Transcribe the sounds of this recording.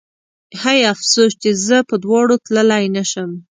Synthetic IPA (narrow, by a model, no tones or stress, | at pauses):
hajafsoʃt͡ʃezəpəd̪wɑɽot̪ləlajnaʃəm